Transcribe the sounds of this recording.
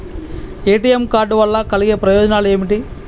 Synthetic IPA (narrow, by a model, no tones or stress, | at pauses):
eːʈiːjemkaːɾɖʋɐlːɐkɐliɡeːpɾɐjɔːd͡ʒɐnaːlueːmiʈi